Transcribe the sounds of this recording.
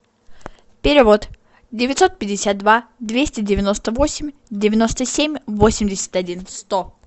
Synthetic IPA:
pʲɪɾʲɪvo̞t̪ | dʲɪvʲɪt̪so̞t̪̚pʲɪdʲɪsʲat̪̚d̪vad̪vʲesʲtʲɪdʲɪvʲɪno̞st̪əvo̞sʲɪmʲdʲɪvʲɪno̞st̪əsʲemʲvosʲɪmʲdʲɪsʲɪ̥t̪ʲɐdʲinst̪o

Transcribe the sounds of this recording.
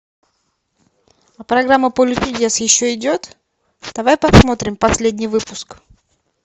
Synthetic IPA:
ɐpɾɐɡɾamːəpolʲɪt̪ʲɪdʲesjɪɕːoɪdʲo̞t̪ | d̪̥ɐvajpɐt̪smo̞t̪ɾʲɪmpɐsʲlʲedʲnʲɪjvɨpʊsk

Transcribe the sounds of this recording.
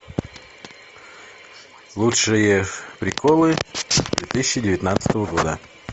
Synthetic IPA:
lˠutʂɨjəpɾʲɪkʰolˠɨd̪vʲet̪ɨsʲɪɕɪdʲɪvʲɪt̪nat̪sə̥t̪əvəɡod̪ə

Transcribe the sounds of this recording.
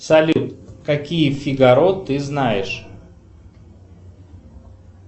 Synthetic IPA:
sɐlʲut̪kɐkʲijəfʲɪɡɐɾot̪ːɨznajɪʂ

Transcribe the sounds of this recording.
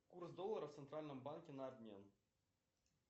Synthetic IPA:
kursd̪olˠːɐɾəft̪sɛnt̪ɾalʲnə̆mbankʲenɑd̪ʲnʲian

